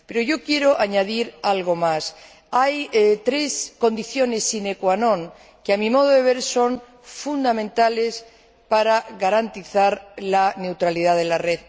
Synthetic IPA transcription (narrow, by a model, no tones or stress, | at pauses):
pe̞ɾoʝo̞kje̞ɾoʔaɲaðiɾalɣo̞mas | ajt̪ɾe̞skõ̞nd̪iθjo̞nesːinekwanõ̞ŋ | keamĩmo̞ð̞oðe̞β̞e̞ɾso̞ŋ | fund̪amẽnt̪ale̞s | paɾaɣaɾant̪iθaɾlane̞wt̪ɾaliðaðelare̞ð